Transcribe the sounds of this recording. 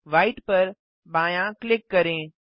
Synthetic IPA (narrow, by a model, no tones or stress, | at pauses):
ʋaːɪʈpɐɾ | bãːjãklɪkːɐɾẽː